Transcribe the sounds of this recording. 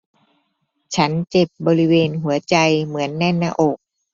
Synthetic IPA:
t͡ɕʰa˦˥nt͡ɕe˨˩p̚bɔː˧ɾi˦˥weː˧nɦu˨˩˦ɐt͡ɕa˧jmɯ˩˦ənːɛ˥˩nːaː˧ʔoː˨˩k̚

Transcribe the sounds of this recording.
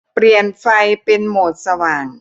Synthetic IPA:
pɾi˨˩ənfa˧jpe˧nmoː˨˩t̪̚sa˧waː˨˩ŋ

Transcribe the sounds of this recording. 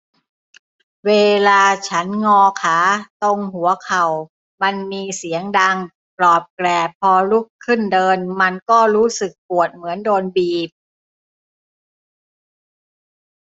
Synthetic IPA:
weː˧laː˧t͡ɕʰa˦˥nŋɔː˧kʰaː˩˦t̪o˧ŋɦu˩˦ɐkʰa˨˩w | ma˧nmiː˧si˩˦əŋda˧ŋ | plɔː˨˩p̪̚klɛː˨˩pʰːɔː˧ɾu˦˥˩kʰːɯ˥˩ndɤː˧nma˧nkɔː˥˩ɾuː˦˥sɯ˨˩k̚pu˨˩ət̪̚mɯ˩˦əndoː˧nbiː˨˩p̚

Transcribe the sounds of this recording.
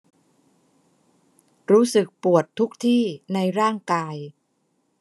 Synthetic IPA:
ɾuː˦˥sɯ˨˩k̚pu˨˩ət̪ʰːu˦˥k̚t̪ʰiː˥˩na˧jɾaː˥˩ŋkaː˧j

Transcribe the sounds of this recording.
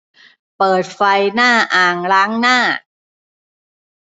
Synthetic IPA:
pɤː˨˩t̪̚fa˧jnaː˥˩ʔaː˨˩ŋɾaː˦˥ŋnaː˥˩

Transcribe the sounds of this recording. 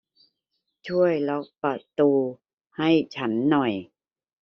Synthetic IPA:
t͡ɕʰu˥˩əjlɔ˦˥k̚pɾa˨˩t̪uː˧ | ha˥˩jt͡ɕʰa˦˥nːɔ˨˩j

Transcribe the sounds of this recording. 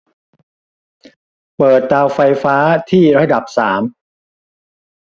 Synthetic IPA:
pɤː˨˩t̪̚ːaː˧wfa˧jfaː˦˥t̪ʰiː˥˩ɾa˦˥da˨˩p̚saː˩˦m

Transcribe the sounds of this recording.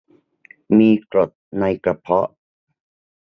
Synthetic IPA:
miː˧kɾo˨˩t̪̚na˧jka˧pʰɔ˦˥ʔ

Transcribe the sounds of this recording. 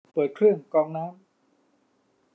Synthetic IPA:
pɤː˨˩t̪̚kʰɾɯ˥˩əŋkɔː˧ŋnaː˦˥m

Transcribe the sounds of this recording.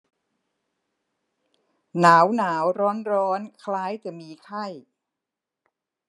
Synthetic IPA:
naː˩˦wnaː˩˦wɾɔː˦˥nɾɔː˦˥nkʰlaː˦˥jt͡ɕa˨˩miː˧kʰa˥˩j

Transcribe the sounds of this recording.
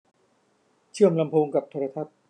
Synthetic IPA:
t͡ɕʰɯ˥˩əmla˧mpʰoː˧ŋka˨˩p̚t̪ʰa˧ɾa˧t̪ʰa˦˥t̪̚

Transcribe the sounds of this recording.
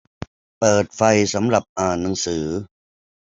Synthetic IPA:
pɤː˨˩t̪̚fa˧jsa˩˦mɾa˨˩p̚ʔaː˨˩nːa˨˦ŋsɯː˩˦

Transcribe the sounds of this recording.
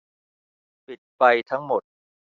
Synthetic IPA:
pi˨˩t̪̚pa˧jt̪ʰa˦˥ŋmo˨˩t̪̚

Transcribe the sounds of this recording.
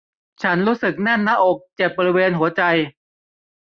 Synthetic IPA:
t͡ɕʰa˦˥nɾuː˦˥sɯ˨˩k̚nɛ˥˩nːa˦˥ʔoː˨˩k̚t͡ɕe˨˩p̚bɔː˧ɾi˦˥weː˧nɦu˩˦ɐt͡ɕa˧j

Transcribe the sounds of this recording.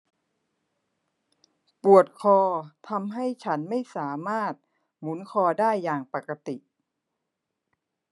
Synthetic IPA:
pu˨˩ət̪̚kʰɔː˧t̪ʰa˧mɦa˥˩jt͡ɕʰa˦˥nma˥˩jsaː˩˦maː˥˩t̪̚ | mu˩˦nkʰɔː˧daː˥˩jːaː˨˩ŋpa˨˩ka˧t̪i˨˩ʔ

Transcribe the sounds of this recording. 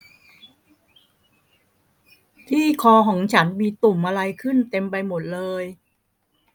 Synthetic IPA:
t̪ʰiː˥˩kʰɔː˧kʰɔː˩˦ŋt͡ɕʰa˦˥nmiː˧t̪u˨˩mʔa˧ɾa˧jkʰɯ˥˩nt̪e˧mpa˧jmo˨˩t̪̚lɤː˧j

